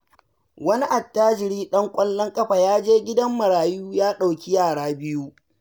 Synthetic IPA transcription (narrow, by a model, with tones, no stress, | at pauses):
wɐ˦ni˦ʔa˨tːaː˦d͡ʒɪ˨ɽiː˦ɗɐ˦ŋkʷʼɐ˦lːɐ˦ŋkʼɐ˦ɸa˨jaː˦d͡ʒeː˦ɡʲɪ˦dɐ˦mːɐ˨ɽaː˨juː˦jaː˦ɗa˨wkʲi˦jaː˦˨ɽaː˦bɪ˦ju˦